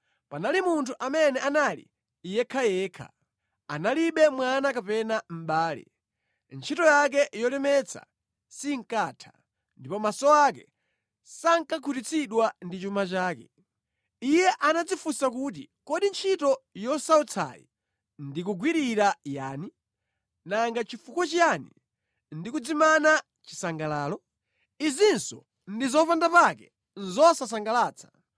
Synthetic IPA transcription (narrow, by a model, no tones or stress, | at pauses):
panalimuntʰuʔamɛnɛʔanalḭ | ijɛkʰajɛːkʰa̰ | a̰naliɓɛmwanakapɛnam̩ɓaːlḭ | nt͡ʃʰitɔjak̬ɛʔjɔlɛmɛt͡sʰa̰ | siŋ̩kaːtʰḁ | ndipɔmasɔakɛ̰ | saŋkakʰutit͡sʰiɗwandit͡ʃumat͡ʃaːkɛ̰ | ijɛʔanad͡zifusakut̬ḭ | kɔɗint͡ʃʰitɔjɔsaut͡sʰa̰jḭ | ndikuɡwiɾiɾaja̰ːni | naŋɡat͡ʃifukɔt͡ʃjanḭ | ndikud͡zimana | t͡ʃi̥saŋɡalaːlɔ | izinsɔ̰ | ndizɔpandapakɛ | n̩zɔsas̬aŋɡalaːt͡sʰḁ